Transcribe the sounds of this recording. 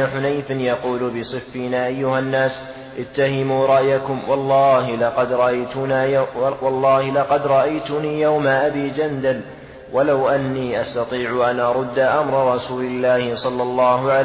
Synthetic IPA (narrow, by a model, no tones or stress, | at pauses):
aħʊnajfɪnjɑquːlbɪsˤɨfːinaːʔajːʊhanːaːs | ʔɪt̪ːaɦɪmuːɾˤɑʔjakʊmwɑlˤːɑːɦɪlɑqɑd̪ɾˤɑʔajt̪ʊnaːwɑlˤːɑːhɪlɑqɑd̪ɾˤɑʔajt̪ʊniːjawmaʔabiːd͡ʒand̪al | walawʔanːiːʔast̪ɑt̪ˤiːʕʊʔanʔɑɾˤʊd̪ːaʔamɾˤɑɾˤɑsuːlɪlːaːhɪsˤɑlːɑlːɑːhʊʕa